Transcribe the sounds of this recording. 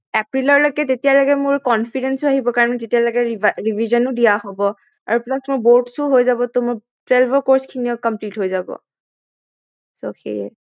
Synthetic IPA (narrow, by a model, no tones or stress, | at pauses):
ɛpɹilɔɹlojkɛtetijalɔkɛmʊɹkɔnfʰidɛnsʊaɦibɔkaɹɔnɛtetijalɔɡɛɹivʱizɔnʊdijahobɔ | a̰ɹuplasmʊɹboɹʈsʊɦojzabɔtʊmʊɹ | twɛlbʱɔɹkoɹskʰiniɔkɔmplitɦojzabɔ̰ | so̰xḛjɛ